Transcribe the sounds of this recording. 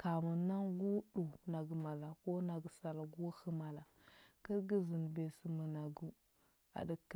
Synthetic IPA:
ka˨mu˨na˦ŋɡu˦ɗu˨na˨ɡə˨ma˨la˨ko˦na˨ɡsa˨lɡu˦xə˦ma˨la˨ | kə˦ɾɡə˦zi˨n˨be˨si˨mə˨na˨ɡu˦ | a̰˨də˦k

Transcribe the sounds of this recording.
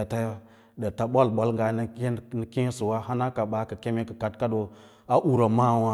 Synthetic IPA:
a˨ta˦j | də˨ta˨ɓo˦lɓo˦lŋ˦ɡa˨n˦n˨kẽ˦su˨wa˦ɦa˦na˦ka˨ɓa˨˦kə˨ke˦me˦kə˨ka˨tka˦do˨ | a˦ʔu˨ɾa˨ma˦˨wa˦

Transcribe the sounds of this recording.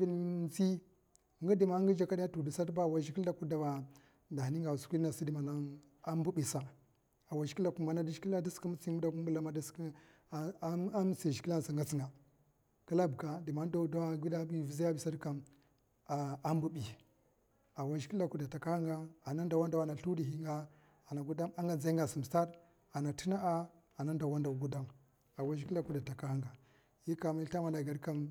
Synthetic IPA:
i˦lt͡si˦˨ | ŋɡi˦di˨ma˦ŋɡə˦d͡ʒa˨ka˦di˦ja˦tu˨di˨sa˦dba˦˨wa˨ʃi˦ki˦la˦ku˦da˨wa˨ | da˨ni˦ŋɡa˨su̥˨kʷi˦a˨si˦di˨ma˨na˦ | a˦mbu˦bi˨sa˨ | a˨wa˨ʃi̥˨˦ki˦la˨ku˦ma˨na˦di˦ʃi˨˦ki˦a˦di˦ski˦mu˦t͡smu˦da˨ku˦m˦bu˦la˦ma˦di˦sk | a˦m˦si˨ʃi˨ki˦la˦n˨sa˨ŋɡa˦t͡si˦ŋɡa˨ | ka˦la˦bka˨di˨ma˦n˦da˦da˦wa˦ɡʷi˦da˦bi˦˨vi˨˦zi˦ja˦bi˨sa˦ɾka˨m˨ | a˦mbu˦bi˨ | a˨wa˦ʒi˨˦i˦la˦ku˦˨da˨ta˨ka˦ha˦ŋɡa˦a˨na˦n˦da˨wa˦nda˨wa˨na˨ɬu˦di˨hi˦ŋɡa˦ | a˨na˨ɡu˦da˦ma˦ŋɡa˨d͡za˦i˦ŋɡa˨su˨m˨sa˦ɾ | a˨na˨ti˦na˦a˦ | a˨na˦n˦da˨wa˦nda˨wɡu˦da˦m | a˨wa˦ʒi˦ki˦la˦ku˦da˨ta˨ka˦ha˦ŋɡa˨ | ji˦ka˨ma˦i˦a˦ma˨na˨ɡa˨ɾka˦m

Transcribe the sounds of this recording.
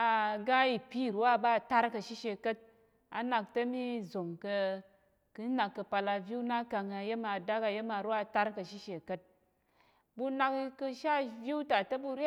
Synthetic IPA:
a˨ɡa˦i˨pʲi˦˨ɾu˦wa˦˨ba˦˨ta˦ɾkɐ˧ʃi˦ʃe˧˨kɐ˦t̚ | a̰˨na˨k̚tɐ˦mi˦zo˨ŋkɐ˧ | kɨ˦na˨kːɐ˧pa˧la˧vʲu˦na˦ka˧ŋa˨je˦ma˨da˦ka˨je˦ma˨ɾu˦a˦˨ta˦ɾkɐ˧ʃi˦ʃe˨kɐ˦t̚ | bu˧na˧kkɐ˧ʃa˦˨vʲju˦ta˨tɐ˦bu˧ɾja˦

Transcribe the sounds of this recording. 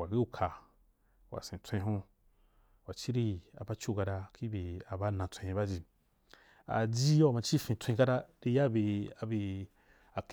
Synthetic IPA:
wa˨ɡi˦u˧˦kʰa˧ | wa̰˨sẽ˨tʷẽ˧ĩ˦ɦũ˦ | wa˨t͡ʃi˦ɾi˧a̰˨ba˦t͡ʃu˦˧˨ɡa˧da˧ki˦be˨a˨ba˦nã˨tʷẽ˧ĩ˧ba˦d͡ʒi˧ | a̰˨d͡ʒi˦ja˨mã˧t͡ʃi˦˨fĩ˧tʷẽ˧ĩ˦ka˦da˦ɾi˧ja˦be˧a˨bi˧ | a˨k

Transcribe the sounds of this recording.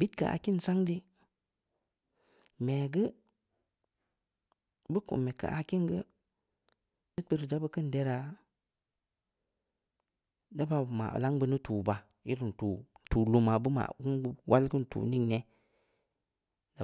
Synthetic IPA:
bi˦tka̰˨ʔa̰˨ki˦nsa˦ŋdi˦ | me˨ɡə˦ | bə˦kṵ˨me˨ka̰˨ʔa˨ki˦nɡə˦ | dɨ˦t̚bə˦ɾə˨da˦bə˦kə˦nde˦ɾa˨ | da˦ba˨ma̰˨la˦ŋbə˧nə˦tuː˨ba˨ | i˦ɾn˨tu˨tu˨lu˨ma˨bə˦ma̰˨ɡu˦wʔa˦lɡə˦n˨tṵː˨ni˦ŋne˦ | da˨

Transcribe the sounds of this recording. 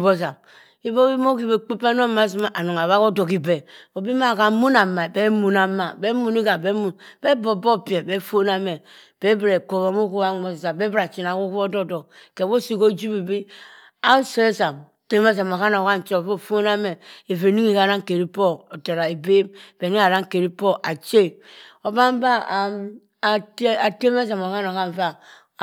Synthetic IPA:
bo˦za˨m | i˦bo˦i˦mo˦ki˦be˨k͡pe˦pe˦n˦o˦˨ma˦zi˦ma˦ʔa˨no˨ŋa˨βa˦ko˦do˨ki˨be˨o˨bi˦ma˦˨ka˨˦mu˦na˨mːa˨be˦mu˨na˨ma˨be˦mu˨ni˦ɡa˨be˦mu˨nbɛ˦bo˨bo˦pi˨e˨bɛ˦fo˦na˦me˨ | b̥e˦bɾe˨ko˨βa˨mo˦ku˦a˦˨ŋo˨sza˨be˦bɾa˨t͡ʃi˨na˨ku˦ku˦o˦do˦do˨ke˨bo˦si˦ko˦d͡ʒu˦bi˨bi˦ | a˦se˦sa˨m | te˦me˦za˨ma˨ka˦no˨ka˦n˨t͡ʃo˦˨vo˦˨fo˦na˦me˨e˨ve˨ni˦ŋi˦ka˨ɾa˦ŋ˨ke˨ɾi˦po˦o˨te˨ɾa˨e˨be˦mb̥e˨ni˦a˨ɾa˦ŋ˨ke˨ɾi˦po˦a˨t͡ʃe˦˨o˨ba˦m˦ba˦˨ | ta˨te˦me˦za˨mo˨ka˦no˨ka˦˨va˦˨

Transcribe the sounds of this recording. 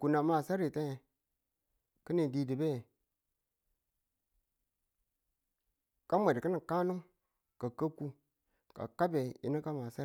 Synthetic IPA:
ku˨na˨ma˨sa˦ɾi˨te˦˨ | kə˦ni˨di˨di˨be˦˨ | ka˦me˨dkə˦ni˨ka˦nu˦ŋ | ka˨ka˦ku˦ | ka̰˨ka˦be˨jḭ˨ni˦ka˦ma˨sa˦

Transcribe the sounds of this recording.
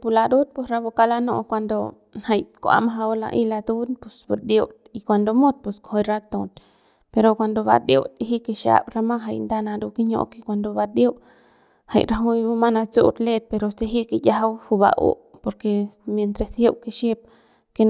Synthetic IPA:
pu˧la˧d̪u˦t̪̚pu˧sɾa˧bo˧ka˧la˧no̰˧ʔkʷa˧nd̪o˧ | ha˧jkʷa̰˧ma˦ɦa˧wla̰˧ʔi˧la˧d̪u˦npu˨sbu˨ɾd̪jo˧wt̪i˧kʷa˧nd̪o˧mo˦t̪̚pu˧sko˨ho˧jɾa˦t̪õ˧t̪ | pe˧ɾo˧kʷa˧nd̪o˧βa̰˧d̪jo̰˧wt̪i˧ɦi˦ke˧ʃja̰˧bɾa˧mã˦ɦa˧jnd̪a˧nã˧d̪u˧ki˦ɲo̰˧ke˧kʷa˧nd̪o˧βa˧d̪jo˦w | ha̰˧jɾa˧ɦu˧˦jbu˧ma˦na˧t͡sṵ˦t̪le˦˧t̪̚pe˧ɾo˨˧se˧ɦi˦ke˧ja˧ɦa˧whu˧ba̰˧ʔo̰˦po˧ɾke˧mje˧nt̪ɾe˧she˧wke˧ʃe˧p̚ | ke˧

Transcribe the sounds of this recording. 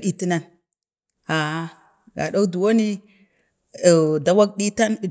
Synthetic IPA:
ɗi˨ti˦na˦n | a˨˦ | ɡa̰˨ɗo˦du˨wo˦ni˦˨ | da˨wa˦k̚ɗi˦ta˦n˨

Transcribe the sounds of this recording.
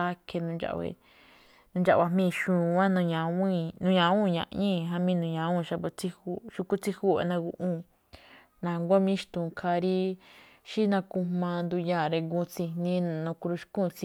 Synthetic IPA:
a˦kʰe˧nũ˧nd͡ʒa̰˧ʔwḛ˧˨ | nũ˧nd͡ʒa˧˨˧wa˧mĩː˦˧ʃũː˧˨˧ã˦nũ˧ɲã˨˧ĩ˦˧nũ˧ɲã˨˦ũ˦˨ɲã̰˧ʔɲĩ˦ɦã˧mĩ˦˧nũ˨˧ɲã˨˧˦ũ˦˨ʃa˧βo˧t͡si˦hu˦˧ʃu˧ku˦t͡si˦hu˦˨ḛ˧˨nã˧ɡu˧ʔũ˦˨ | nã˧˨˧ŋɡʷa˦mĩ˦ʃt̪ũ˨kʰa˧ɾi˦ | ʃi˦nã˧kũ˧hmã˧nd̪u˧jã˧˨ɾe˧ɡu˧t͡si˧nĩ˦˧nã˧ku˧ɾu˧ʃu̥˧kũ˦˨˧t͡si˧

